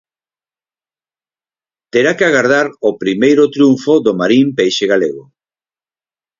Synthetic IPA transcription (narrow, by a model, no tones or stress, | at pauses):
t̪eɾakeaɣaɾðaɾopɾimejɾʊt̪ɾjuɱfoðomaɾimpejʃeɣaleɣ̞o